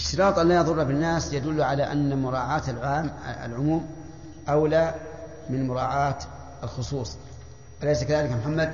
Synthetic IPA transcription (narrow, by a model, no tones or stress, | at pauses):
ɪʃt̪ɨɾɑːt̪ˤʔalːajɑðˤʊrˤːabɪnːaːsjad̪ʊlːʕalaːʔanːamʊɾˤɑːʕaːt̪alʕaa̰lʕʊmuːm | ʔawlaː | mɪnmʊɾˤɑːʕaːt̪ | alxʊsˤuːsˤ | walajsakaðaːlɪkmʊħamːad̪̚